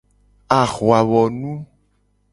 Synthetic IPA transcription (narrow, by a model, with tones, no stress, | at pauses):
a˨xwa˨wɔ˨nũ˦